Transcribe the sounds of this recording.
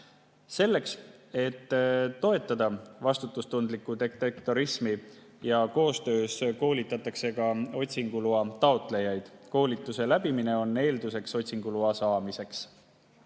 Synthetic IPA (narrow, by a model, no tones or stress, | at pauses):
se̞lːe̞kse̞t̪ːo̞e̞t̪ːˑɑd̪̥ɑvɑst̪ut̪ːˑust̪und̪likːˑut̪ekt̪ekt̪oɾismi | jɑko̞ːst̪ø̞ːsko̞ːlit̪ːˑɑt̪ːˑɑkse̞kɑo̞t̪ʲsiŋɡ̥uluɑt̪ɑo̞t̪ˑle̞jɑjd̪̥ko̞ːlit̪ːˑuse̞læb̥imine̞o̞nːe̞ːld̪use̞kso̞t̪ʲsiŋɡ̥uluɑsɑːmise̞ks